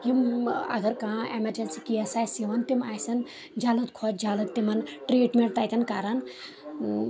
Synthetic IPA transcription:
jimɐ̰ɡɐɾkãemeɾd͡ʒɐnsikijɐsaːjsiʋɐnt̪imaːjsɐn | d͡ʒalɨt̪̚kʰɔt͡ʃd͡ʒalɨt̪t̪imɐnʈɾeʈmeɳʈ̚t̪ajt̪ʰɐnkaɾɐn

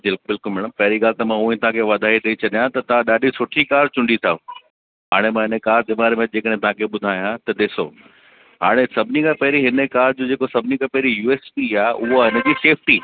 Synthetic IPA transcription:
bɪlbɪlkʊlmɛːɽ̃əmpɐɦɪɾiɡaːlɪt̪ɐmãũːẽt̪ɐãkʰeʋɐd̪ʱaːit̪ʰɐit͡ɕɐɗijãt̪ɐt̪ɐãɗaːɗʱisʊʈʰikaːɾt͡ɕʊ̃ɳɖit̪ʰa | ɦa̰ːɽ̃emãːɦɪnəkaːɾd̪ɪmaːɾemẽd͡ʑeːkəɽẽɦẽt̪ɐɦãkʰeɓʊd̪ʱaːjãt̪ɐɗ̪ɪso̰ː | ɦaːɽ̃esɐbʱɪnikʰãpɐɦɪɾiɦɪnəkaːɾd͡ʑoːd͡ʑeːkosɐbʱɪnikʰãpɐɦɪɾijuːeːspiaːʔʊɦoɦɪnə̆d͡ʑiːseːfʈiː

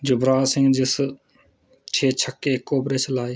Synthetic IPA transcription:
d͡ʒʊbɾaːsɪ̃ŋɡd͡ʒɪs | t͡ʃʰeːt͡ʃʰəkːekːoːbɾeːt͡ʃʰɐlaːiː

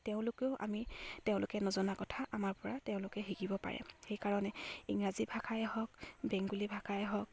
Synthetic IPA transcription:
teʊ̃lʊkeʊʔa̰miteʊ̃lʊkɛnɔzɔnakɔtʰaʔamaɹpɔɹateʊ̃lʊkɛɦiɡibɔpa̰ɹɛ̰xejkaɹɔnɛiŋɹazibʱakʰajɛɦɔk̚bɛŋɡulibʱakʰajɛɦɔk̚

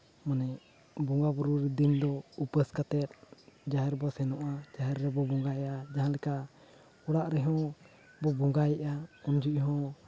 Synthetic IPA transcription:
manɛ | bɔŋɡabɔɾuɾid̪ind̪ɔupəskat̪ɛt̪̚d͡ʒaɦɛɾbɔsɛnɔʔad͡ʒaɦɛɾːɛbɔbɔŋɡajʔad͡ʒaɦãlɛka | ɔɽaʔɾɛɦɔ̃ | bɔbɔŋɡajɛʔaɔnd͡ʒuʔɦɔ̃

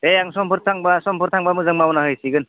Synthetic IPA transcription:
ejaŋsɔmpʰɯɾtʰaŋbasɔmpʰɯɾtʰaŋbamɯzɯŋmawnaɦɯjsiɡɯn

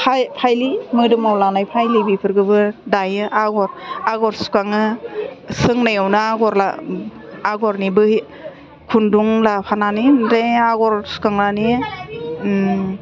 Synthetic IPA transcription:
pʰajpʰajlimɯdɯmawlanajpʰajlibipʰɯɾɡɯbɯdajɯaɡɔɾaɡɔɾsu̥kaŋɯ | sɯŋnajawnɯaɡɔɾla̰ | aɡɔɾnibɯ | kʰunduŋlapʰananideaɡɔɾsu̥kaŋɾani

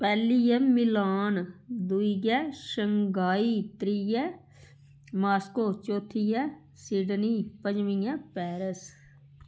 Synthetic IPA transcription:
pɛːliːɛːmɪlaːnd̪uiːɡɛːʃəŋɡaːiːt̪ɾiːjɛː | maːskoːt͡ʃoːt̪ʰiːjɛː | siːɖniːpəd͡ʒmĩːjɛ̃ːpɛːɾəs

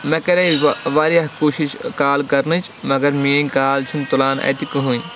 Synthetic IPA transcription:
mɐ̃kɐɾeʋaːɾiakoːʃiʃkaːlkɐɾnɨt͡ʃʰmɐɡɐɾmiẽkaːlt͡ʃʰunt̪ulaːnɐ̰t̪ikɨɦũːn

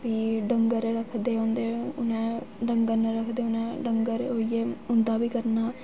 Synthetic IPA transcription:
biːɖəŋɡəɾɾəkʰd̪eːõnd̪eːʊnɛ̃ːɖəŋɡəɾnəɾəkʰd̪eːʊnɛ̃ːɖəŋɡəɾɦoieːʊnd̪aːbiːkəɾnaː

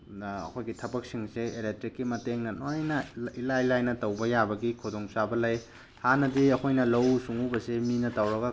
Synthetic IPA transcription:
ɐ̰kʰojɡitʰɐbɐk̚siŋseelek̚tɾikːimɐteŋnɐnojnɐilalajnɐtɐwbɐjabɐɡikʰudoŋsabɐlɐj | hanɐdiɐkʰojnɐlɐwsuŋubɐseminɐtɐwɾɐɡɐ

